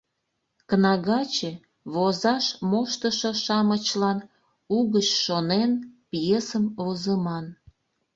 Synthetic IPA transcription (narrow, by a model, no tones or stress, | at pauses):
kənɑɣɑt͡ɕe | βozɑʃmoʃt̪əʃoʃɑmət͡ɕlɑn | uɣət͡ɕʃonenpjesəmozəmɑn